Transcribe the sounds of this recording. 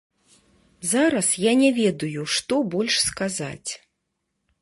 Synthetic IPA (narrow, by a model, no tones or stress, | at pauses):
zaɾɐsjanʲɛvʲɛd̪ujuʂt̪ɔbɔlʲʂskaza̰t͡sʲ